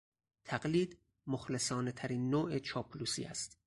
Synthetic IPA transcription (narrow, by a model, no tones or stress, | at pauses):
t̪ʰæɡliːd̪ | moxlesɒːnet̪ʰæɾiːnːoːet͡ʃʰɒːpʰluːsḭːæ̰st̪